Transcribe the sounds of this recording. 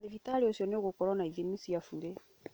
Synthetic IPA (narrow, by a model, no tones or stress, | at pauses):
evitaɾiosiɔneɡokɔɾɔnaivimisijafuɾe